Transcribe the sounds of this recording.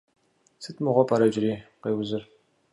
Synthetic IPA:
sɨtmɨʁʷɔpʰɐɾɐd͡ʒɪɾiːqeːwzɨr

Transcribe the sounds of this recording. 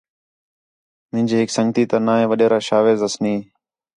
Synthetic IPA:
mɪ̃ɦɪ̃nd͡ʒeːɦɪksəŋɡt̪iːt̪aːnaːɦẽːʋəɗeːɾaːʃaːʋeːzəsniː

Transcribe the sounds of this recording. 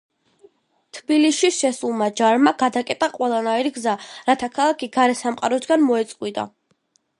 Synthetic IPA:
t̪ʰbiliʃiʃɛsulˠmad͡ʒaɾmaɡ̥ad̪akʼɛt̪ʼaqʼwɛlˠanaiɾiɡzaɾat̪ʰakʰalˠakʰiɡaɾɛsamqʼaɾɔsɡanmɔɛt̪sʼqʼwit̪ʼa̰

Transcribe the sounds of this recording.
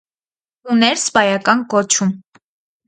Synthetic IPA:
unɛɾzbɑjɑkɑnkɔt͡ʃʰum

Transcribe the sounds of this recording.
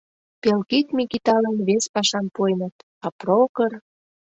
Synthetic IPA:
pelkit̪mikit̪ɑlənβespɑʃɑnpojnət̪ | ɑprokər

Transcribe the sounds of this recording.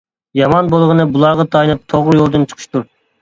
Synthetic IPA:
jɑmɑnbolˠʁənɨbulˠɑɾʁɑt̪ʰɑjinɨp̚t̪ʰoʁɾɨjolˠd̪ɨnt͡ʃʰə̥qʰɨ̥ʃt̪uɾ

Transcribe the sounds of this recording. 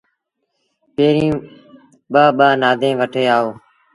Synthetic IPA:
peːɾiĩː | ɓaːɓaːnaːd̪ʱẽːʋəʈʰeːaːoː

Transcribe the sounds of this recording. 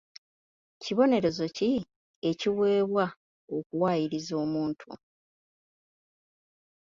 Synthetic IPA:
ciβo̞ne̞ɾe̞zo̞ci | e̞ciwe̞ːβwa | o̞kuwaːjiɾizo̞ːmuːntʰṵ

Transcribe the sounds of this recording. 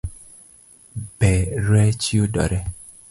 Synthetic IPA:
bɛɾwɛt͡ʃiodɔ̰ɾɛ

